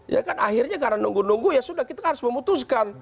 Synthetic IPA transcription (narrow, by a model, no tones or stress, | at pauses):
ja̰kanaɦirɲakaɾanuŋɡunuŋɡujasudahkit̪ahaɾʊsməmut̪us̬kan